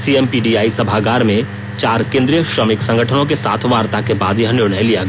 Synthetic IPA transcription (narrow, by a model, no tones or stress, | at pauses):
siɛmpiːɖiaːisɐbʱaɡaːɾmẽ | t͡ʃaːɾkẽːnd̪ɾijəʃɾəmɪksɐ̃ŋɡəʈʰənõk̬esa̰ːt̪ʰʋaːɾt̪akebaːd̪jiɦənɪɾɳəjlijaɡ